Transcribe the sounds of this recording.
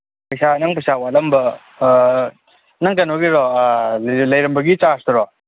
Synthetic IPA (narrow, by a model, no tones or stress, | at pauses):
pɐjsanɐŋpɐjsawalɐmbɐ | nɐŋkɐnoɡiɾɔ | lɐjɾɐmbɐɡit͡ʃastɐɾɔ